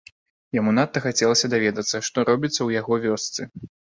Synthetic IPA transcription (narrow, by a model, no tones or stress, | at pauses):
jamunat̪ːɐxat͡sʲɛlˠɐsʲɐd̪avʲɛd̪ɐt̪sːɐʂt̪ɔɾɔbʲit̪sːɐwjaɣɔvʲɔst̪sɨ